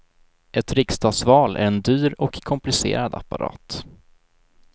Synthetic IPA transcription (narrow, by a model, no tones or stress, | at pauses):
ʔɛt̪ɾɪkst̪ɑːɡ̪svɑːlʔæ̰ɾɛnd̪yːɾɔkʰːɔmplɪsḛːɾad̪a̰pːa̰ɾʔɑ̰ːt̪